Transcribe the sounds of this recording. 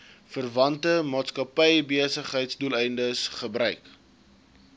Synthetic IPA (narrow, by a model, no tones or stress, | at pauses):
fərvɐntəmɑːtskɐpɛjbiəsəχɦəjtsdulˠɛjndəsχəbɾœɥk